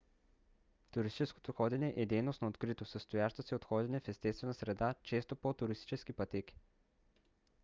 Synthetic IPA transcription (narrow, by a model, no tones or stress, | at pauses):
t̪uɾist̪it͡ʃɛsko̥t̪oxɔd̪ɛnʲɛʔɛd̪ɛjnosnoːt̪kɾit̪osəst̪ojaʃt̪əsɛot̪xɔd̪ɛnɛfɛst̪ɛst̪vɛnəsɾɛd̪at͡ʃɛst̪opot̪uɾist̪it͡ʃɛskipɐt̪ɛki̥